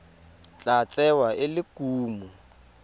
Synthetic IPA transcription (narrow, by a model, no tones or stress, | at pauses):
t͡ɬʼat͡sʼɛwaʔɪlɪkʼuːmu